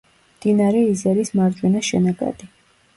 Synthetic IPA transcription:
md̪̥inaɾɛizɛɾismaɾd͡ʒwɛnaʃɛnaɡa̰d̪i

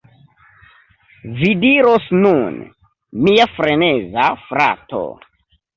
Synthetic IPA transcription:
vidiɾosnun | miafɾenezafɾa̰to̰

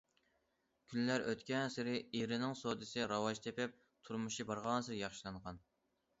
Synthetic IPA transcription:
kʲʰynlːæɾøt̪kʲɛnsɪɾɪiɾɪnɪŋsod̪ɨsɪɾɑwɑʒt̪ʰepɪp̚ | t̪ʰuɾmuʃibɑɾʁɑnɨsɨjɑχʃilˠɑɴʁɑn

